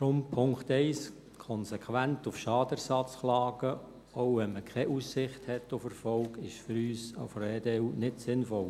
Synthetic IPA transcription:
ɾʊmpʰʊŋktɛɪs | kʰɔnsɛkʰwæntʊfʃɑːd̥əɾsɑt͡sχlɑːɡ̥ə | owʋɛnməkʰɛʔusɪχthɛtːʊfəɾfɔlkɪʃfʏɾyːsɑ̰frɛːdɛunɪtsɪnfɔl

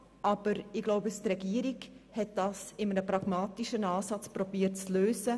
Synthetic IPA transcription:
ʔɑb̥əɾɪɡ̥loʊbəstɾɛɡiːəɾiɡhɛt̚d̥ɑːsɪmənəpɾɑɡmaːtiʃənɑːsɑt͡spɾobiːət̚t͡sløːsə

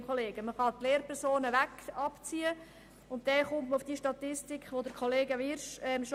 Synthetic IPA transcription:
mχoleːɡ̥əməχɑt̪leːɾpʰɛɾsoːnəʋækɑpt͡siːə | ʊnt̚dɛχʊmtməufd̥iːʃtɑt̪ɪstɪkχʋod̪əɾkʰχoleːɡəʋɪɾʃɛmʃ

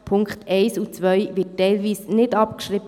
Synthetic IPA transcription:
pʰʊŋkχt̪ʰɛɪsut͡sʋœʏʋɪt̚ːɛɪlʋiːsnɪdɑpkʃɾɪb

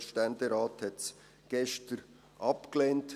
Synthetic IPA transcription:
ʃtɛndeɾaːthɛts | ɡ̥ɛʃtəɾ | ʔɑpkleːnt

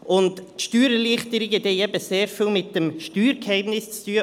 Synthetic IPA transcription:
ʔʊntʃtyːɾəliχt̪əɾiɡət̪eɛbəseːɾfiːlmɪt̚d̥əmʃtyːɾkhɛɪmnɪst͡styːə

